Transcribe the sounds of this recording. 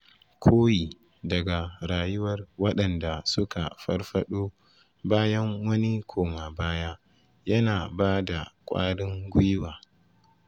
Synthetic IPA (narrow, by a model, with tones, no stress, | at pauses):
kʰoː˦jiː˨ | dɐ˨ɡa˨ɾaː˨jʊ˦wɐ˨rwɐ˦ɗɐ˨nda˨sʊ˦ka˨ɸɐ˦rɸɐ˦ɗoː˦ | baː˦jɐ˦ŋwɐ˦ni˦kʷʰoː˨ma˨baː˦jaː˦ | jɐ˦naː˨baː˦da˨kʷʼa̰ː˦ɽɪ˦ŋɡʷʊ˦jwaː˨